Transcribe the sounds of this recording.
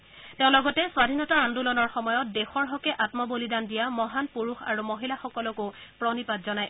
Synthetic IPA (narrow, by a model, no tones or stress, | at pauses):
tɛʊ̃lɔɡɔtɛswadʱinɔtaandulɔnɔɹxɔmɔjɔt̚dexɔɹɦɔkɛʔatmɔbolidandijamɔɦanpuɹuxa̰ɹumoɦilaxɔkɔlɔkʊpɹɔnipatzɔnaj